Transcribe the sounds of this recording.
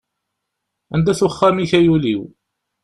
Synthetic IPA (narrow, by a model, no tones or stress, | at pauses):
ænd̪æθuχːæmiçæjulḭw